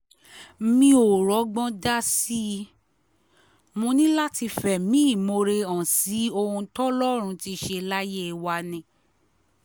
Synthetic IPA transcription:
mĩ˧o˨ɾɔ˨˦ɡ͡bɔ̃˦da˦si˦˧ | mõ˧nĩ˦la˦ti˧fɛ˨mĩ˨˦˨mo˧ɾe˧ã˨si˨˦o˧ɾũ˧tɔ˦lɔ˦˨ɾ̃ũ˧ti˧ʃe˧la˦je˦˨wa˧nĩ˧˨

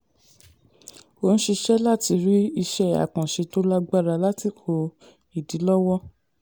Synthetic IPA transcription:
o˧ñ̩˦ʃi˧ʃɛ˦la˦˨ti˧ɾi˦i˧ʃɛ˦a̰˨kã˨ʃe˧to˦la˦ɡ͡ba˦˨ɾa˧la˦ti˧˨o˧ | i˨di˨˦lɔ˦wɔ˦

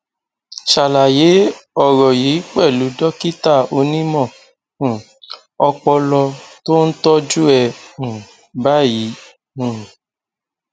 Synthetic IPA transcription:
ʃa˨la˨je˨˦ɔ˦˨ɾɔ˨ji˨˦k͡pɛ˦˨lu˨˦dɔ˦ki˦ta˦˨o˧nĩ˦mɔ̃˦˨ | ɔ˧k͡pɔ˧lɔ˧to˦n̩˦tɔ˦d͡ʒu˦ɛ̃˧˨ | ba˦jĩ˨˦˨

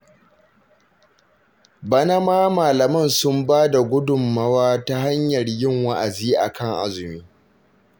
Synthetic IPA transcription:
bɐ˦nɐ˦maː˦maː˨lɐ˨mɐ˦˨nsʊ˦mbaː˦da˨ɡʷʊ˦dʊ˨mːɐ˦waː˦ta˦ha˦ɲjɐ˨rjɪ˦ŋwa˦ʔa˨ziː˦ʔa̰˨kʰɐ˦˨ŋʔa̰˦zʊ˨miː˦

